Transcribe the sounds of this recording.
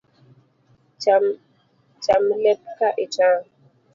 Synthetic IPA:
a | t͡ʃamlɛp̚kaʔet͡ʃãː

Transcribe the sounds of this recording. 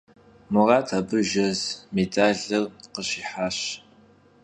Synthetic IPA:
mʊʁɑːtʰaːbɨʒɐzmedʰʼaːɮɐrqəɕiːħaːɕ

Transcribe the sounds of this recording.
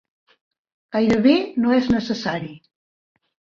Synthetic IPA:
ɡ̥ajɾəβenoɛznəsəsaɾi

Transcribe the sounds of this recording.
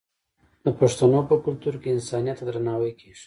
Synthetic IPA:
d̪əpaʂt̪anopəkʊlt̪uɾkeɪnsɑnijat̪d̪ɾanɑwəjkʰe̥ʒ̥

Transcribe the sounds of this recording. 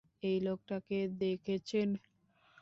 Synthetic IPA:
ejlok̚ʈaked̪ekʰet͡ɕʰen

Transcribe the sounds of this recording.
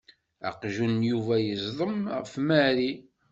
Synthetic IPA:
æ̰qʒunjuvæjəzˤðˤəmʁfmæɾi

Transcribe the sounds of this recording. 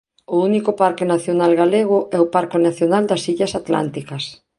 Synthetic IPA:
ʊunikʊpaɾkɪnaθjonalɣaleɣ̞ʊʔɛʊpaɾkenaθjonald̪ɐsiʎɐsat̪la̰nt̪ikɐs

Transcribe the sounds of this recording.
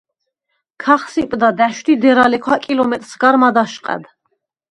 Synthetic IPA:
kʰaχsipʼd̪ad̪æʃd̪id̪ɛɾalɛkʰwakʼilɔmɛt̪ʼɾsɡaɾmad̪aʃqʼɛ̰d̪

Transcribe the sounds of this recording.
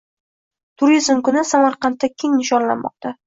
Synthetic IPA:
t̪ʰʊɾizmkʊnɪsamaɾqɑnt̪ːakʲʰe̞ŋnɪʃɒnla̰nmɒ̰q̚t̪ʰa

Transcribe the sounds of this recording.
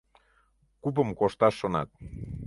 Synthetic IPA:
kup̬əmkoʃt̪ɑʃːonɑ̰t̪̚

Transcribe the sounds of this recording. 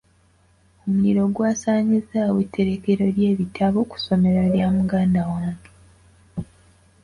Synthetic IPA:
o̞muliɾo̞ɡwaːsaːɲizaːwetːe̞ɾe̞ke̞ɾo̞lje̞ːβitʰaβoku̥so̞me̞ɾoljaːmuɡaːndawaːŋɡe

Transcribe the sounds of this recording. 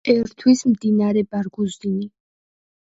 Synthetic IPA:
ɛɾt̪ʰwismd̪inaɾɛbaɾɡuzd̪ini

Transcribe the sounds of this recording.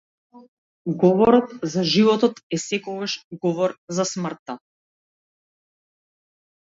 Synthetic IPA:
ɡɔvɔɾɔt̪zaʒivɔt̪ɔt̪ɛsɛkɔɡaʃɡɔvɔɾzasmr̩t̪ːa

